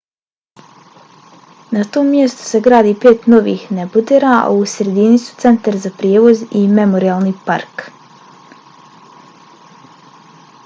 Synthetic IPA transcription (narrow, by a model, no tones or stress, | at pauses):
nat̪oːmːjest̪u̥se̞ɡɾaːd̪iːpe̞ːt̪no̞ʋḭːhnebud̪eɾa̰usɾe̞d̪inisu̥t̪se̞nt̪aɾzapɾjeːʋo̞zime̞mo̞ɾiaːlˠniːpa̰ɾk